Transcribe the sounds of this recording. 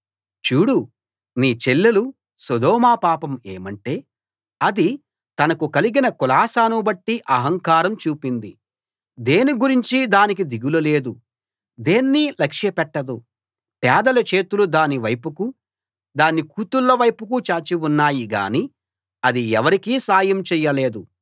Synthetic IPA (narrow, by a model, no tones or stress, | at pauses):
t͡ʃuːɽu | niːt͡ʃelːɐlu | sɔd̪ɔːmaːpaːpɐme̞̰ːmɐɳʈe̞ː | ɐd̪i | t̪ɐnɐkukɐliɡinɐkulaːsaːnubɐʈːiʔɐɦɐŋkaːɾɐmt͡ʃuːpind̪i | d̪e̞ːniɡuɾiɲt͡ʃid̪aːnik̬id̪iɡulɐle̞ːd̪u | d̪eːnːilɐkʂjɐpɛʈːɐd̪u | pɛːd̪ɐlɐt͡ʃe̞ːt̪ulud̪aːniʋɐjpuku | d̪aːnːikuːt̪ulːɐʋɐjpukut͡ʃaːt͡ʃiwunːaːjiɡa̰ːni | ɐd̪iɛʋɐɾikiːsaːjɐmt͡ʃɛːjːɐle̞ːd̪u